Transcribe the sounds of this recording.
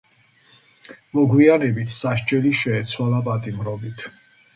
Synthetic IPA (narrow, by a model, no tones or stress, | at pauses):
mɔɡwianɛbit̪ʰsaʃt͡ʃʼɛliʃɛːt̪sʰwalapʼat̪ʼimɾɔbit̪ʰ